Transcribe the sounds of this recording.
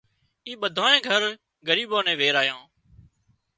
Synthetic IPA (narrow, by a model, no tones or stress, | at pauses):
iːɓəd̪ʱaːnẽːɡʱəɾ | ɡəɾiːɓoːnẽːʋeːɾaːjãː